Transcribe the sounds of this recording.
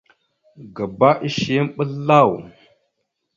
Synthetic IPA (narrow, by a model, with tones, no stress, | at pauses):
ɡa˨ba˦ʔi˦ʃi˨˦m˦ɓə˦lːa˦˨w